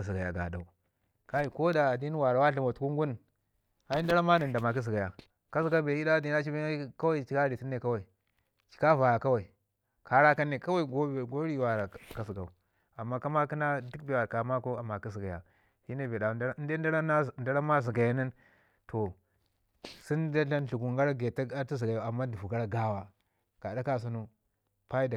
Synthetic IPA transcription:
si˨ɡa˨ja˨ɡa̰˨da̰˨u˨ | ka˦ji˨ko˦da˨a˨di˦n˦wa˨ɾa˨wa˦ɬi˨ma˨tu˦ku˦ŋɡu˦n˨ | ha˦i˦n˦da˦ɾa˦ma˦nə˨nda˨ma˨k̬i˦s̬i˨ɡa˨ja˨ | ka˦s̬i˦ɡa˦be˨i˦da˦˨di˦a˦t͡ʃi˦be˦ka˦wa˦i˨t͡ʃi˦ka˦ɾi˨ti˦nːe˨ka˦wa˨i˨ | t͡ʃi̥˨ka˦va˨ja˨ka˦wa˨i˨ | ka˨ɾa˦ka˦nːe˨ka˦wa˦i˨ɡɡo˦ɾi˦˨wa˨ɾa˨ka˨s̬i˨ɡa˨u˨ | a˨mːa˦ka˦ma˦ki˦na˦du˦k̚be˨wa˨ka˨ma˦ko˦a˨ma˨ki˦si˨ɡa˨ja̰˨ | hi˦ne˦˨be˨da˨˦nde˦da˦ɾa˦n˦˨nda˦ɾa˦ma˦zi˨ɡa˨ja˦ni˦n | to˨ | si˦nda˦ɬa˦nɬu˨ku˨ŋɡa˦ɾa˦ɡe˨ta˦a˦ti˦zi˨ɡa˨ja˨a˨mːa˦du˨vu˨ɡa˦ɾa˦ɡa˦˨wa˨ | ɡ̥a˨da˦ka˦s̬u˦nu˦ | pa˦i˦da˨

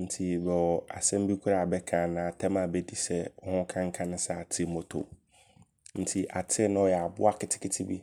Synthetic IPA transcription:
n̩˨tʰi˨bɛ˨wɔ˨a̰˨sɛ̃˦m˦bi˦kʰu˦ɾa˨bɛ˦kʰã˨nã˨tʰɛ˦mã˨bɛ˦di˦sɛ˦ɔ˦hʊ̃˦kʰã˦ŋ̩˦kʰã˦nʊ̃˦sɛ˦˨a˨tʰɪ˦mɔ˨tʰo̰˨ | n̩˨tʰi˨ʔa˨tʰɪ˦nʊ̃˦ɔ˨jɛ˨a˨bʊ̰˦a˦kʰɪ˨tʰɪ̥˦kʰɪ˦tʰi˦bḭ˦

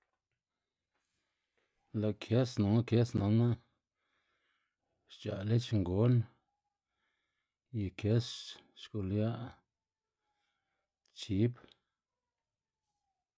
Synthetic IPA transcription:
la˨kʰje˦snõ˨ŋa˦kje˦snã˨˧nã˦ | ʃt͡ʃa̰˨ʔle˦t͡ʃŋɡo˦n | ji˨kʰje˦sʃku˨lja˦ʔ | t͡ʃi˨˦p

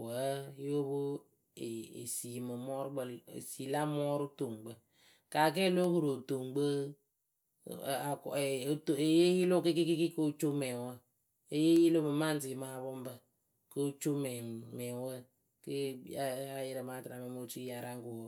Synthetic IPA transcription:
wə˨˦jo˦bo˦ | e˨ḛ˨si˨mɨ˨mɔ˦ɾʊ˦ɡ͡bə˨lḛ˨si˨la˦mɔ˦ɾʊ˦to˨ŋɡ͡bə˦ | ka˨k̬ɛ˦lo˦hu˨ɾo˨to˨ŋɡ͡bə˦˨ | a˨kto˨e˨je˦ji˦lo˦ke˦ki˦ki˦ki˦ko˦t͡ʃo˦mɛ˨ŋwə˦ | e˦je˦ji˦lo˦mɨ˨ma˦˨n˦ti˨˦ma˨˦˨bo˦mbə˦ | kə˦t͡ʃo˦mɛ˨mɛ˨ŋwə˦ | ke˦ | a˨jɪ˦ɾə˨ma˦tɾa˨mɛ˨mo˦t͡ʃi˦ja˨ɾa˦ŋ˦ko˨wo˨

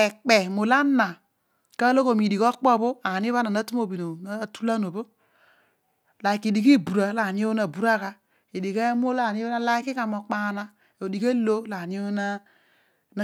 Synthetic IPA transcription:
e˨k͡pe˨mo˨la˦na˨ | ka˦lo˦ko˨mi˨di˨ko˦k͡pɔ˦˨bo˦a˨ni˦βa˦na˨na˦tu˦m˦o˨bi˨no˨n˦˨tu˦la˦no˨bo˦ | la˨i˨ki˨di˨ki˦˨bu˨ɾa˨˦la˨ni˦o˦na˨bu˦ɾa˦ka˦ | i˨di˨ke˦m˦o˦la˨ni˦a˦la˦i˦ki˦ka˨mo˨k͡pa˨na˦ | o˨di˨ke˦lo˦la˨ni˦o˦na˦ | n˨

